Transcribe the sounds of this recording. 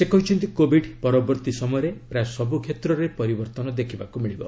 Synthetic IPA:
sekɔɦit͡ʃʰɔnt̪ikobiɖpɔɾɔbɔɾt̪isɔmɔjɔɾepɾasɔbukʰet̪ɾɔɾepɔɾibɔɾt̪ɔnɔd̪ekʰibakumiɭibɔ

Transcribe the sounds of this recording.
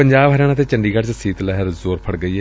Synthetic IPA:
əɲd͡ʒaːbɦəɾaːɽ̃ãːt̪eːt͡ʃəɳɖiːɡəɽt͡ʃsiːt̪lɛːɦəɾzoːɾpʰəɽɡəiːɛː

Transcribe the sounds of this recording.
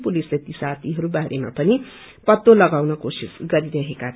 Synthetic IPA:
pulislet̪isat̪ʰiɦʌɾubaɾʔema̰pʌni | pʌt̪ːolʌɡawnʌkosisɡʌɾiɾʌɦeka

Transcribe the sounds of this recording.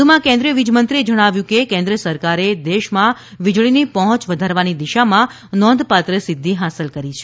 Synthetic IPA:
umãkɛ̃nd̪ɾijəʋid͡ʒmə̃nt̪ɾied͡ʒəɽ̃aʋjũkekɛ̃nd̪ɾəsəɾkaɾed̪eʃmã | ʋid͡ʒɭinipəɦɔ̃t͡ʃʋəd̪ʱaɾʋanid̪iʃamã | nɔ̃nd̪pat̪ɾəsɪd̪ʱːiɦasəlkəɾit͡ʃʰe

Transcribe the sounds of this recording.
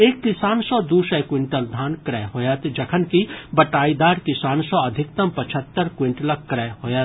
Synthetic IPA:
eːk̚t̪ɪsaːnsɔd̪uːʃɐjkwɪ̃ɳʈəld̪ʱaːnkɾɛːɦoːjət̪d͡ʒɐkʰənkibɐʈaːid̪aːɾk̪ɪsaːnsɔɐd̪ʱɪkt̪ɐmpɐt͡ʃʰət̪ːəɾkwɪ̃ɳʈlɐk̚kːɾɛːɦoːjət̪

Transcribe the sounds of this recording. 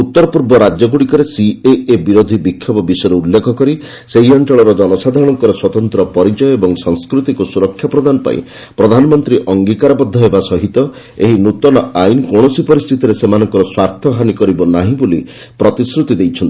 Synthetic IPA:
ut̪ːɔɾɔpuɾbɔɾad͡ʒjɔɡuɽikɔɾesieebiɾod̪ʱibikʰːjɔpɔbisɔjɾeulːekʰɔkɔɾi | seɦiɔɳʈɔɭ̃ɔɾɔd͡ʒɔnɔsad̪ʱaɾɔɽ̃ɔŋkɔɾɔswɔt̪ɔnt̪ɾɔpɔɾit͡ʃɔjɔebɔŋsɔŋskɾut̪ikusuɾɔkʰːjapɾɔd̪ʱanɔpa̰ḭ̃ | pɾɔd̪ʱanɔmɔnt̪ɾiʔɔŋɡikaɾɔbɔd̪ʱːɔɦebasɔɦit̪ɔ | ḛɦinut̪ɔnɔajnkoɳ̃ɔsipɔɾist̪ʰit̪iɾesemanɔŋkɔɾɔswaɾt̪ʰɔɦanikɔɾibɔnaɦĩboli | pɾɔt̪isɾut̪id̪ejt͡ʃʰɔnt̪i

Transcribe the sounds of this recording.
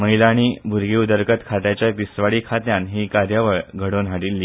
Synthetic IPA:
məɦilaɽ̃iːbʱuɾɡiud̪əɾkət̪kʰat̪jat͡ɕjad̪isʋaɽiːkʰat̪jãnɦiːkaɾjaʋəɭɡʱəɽonɦaɽiːlːiː

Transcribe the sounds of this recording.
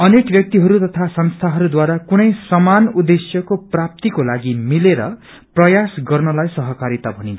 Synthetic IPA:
ʌnekbjʌk̚t̪iɦʌɾut̪ʌt̪ʰasʌnst̪ʰaɦʌɾud̪waɾakunʌjsʌmanud̪esjʌkoprap̚t̪ikolaɡimileɾʌ̰ | prʌjasɡʌrnʌlajsʌɦʌkaɾit̪abʱʌnĩnʰ

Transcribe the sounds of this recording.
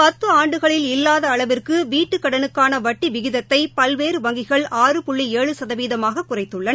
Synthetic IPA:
pɐt̪ːɯaːɳɖɯɣɐɭɪlɪlːaːðɐːɭɐʋɪrkɯʋiːʈːɯkːɐɽɐnɯkːaːnɐʋɐʈːiʋɪɣɪðɐt̪ːɐɪpɐlʋeːɾɯʋɐŋɡɪɣɐɭaːrɯpʊɭːieːɻɯsɐðɐʋiːðɐmaːɣɐkːʊrɐɪt̪ːɯɭːɐn

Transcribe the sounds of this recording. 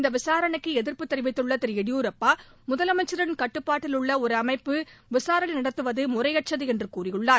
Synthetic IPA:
ɪnd̪ɐʋɪsaːɾɐɳɐkːɯɛðɪɾpɯt̪ːɐɾɯʋɐɪt̪ːɯɭːɐt̪ɪɾɛɽɪjuːɾɐpːaːmʊðɐlɐmɐɪt͡ʃːɯɾɐɽɪnkɐʈːɯpːaːʈːɪlɯɭːɐɔɾɯɐmɐɪpːɯʋɪsaːɾɐnɐnɐɽɐt̪ːɯʋɐðɯmʊrɐjɐʈ̚t͡ʃːɐðɯɛndrɯkuːrɪjɯɭːaː

